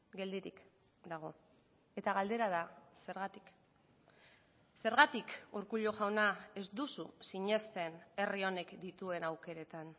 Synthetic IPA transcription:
ɡe̞ld̪iɾḭk | d̪aɣ̞o̞ | e̞t̪aɣald̪e̞ɾað̞ase̞ɾɣat̪i̥k | se̞ɾɣat̪ikuɾkuʎo̞ʝawnae̞zd̪ususiɲe̞st̪e̞ne̞rio̞ne̞kd̪it̪ue̞nawke̞ɾe̞t̪an

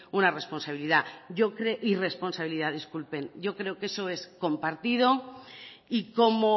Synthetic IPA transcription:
unare̞spo̞nsaβiliðaɟ͡ʝo̞kɾeʔire̞spo̞nsaβiliðaðiskulpe̞nɟ͡ʝo̞kɾe̞oke̞so̞e̞sko̞mpaɾt̪ið̞o̞ | iko̞mo

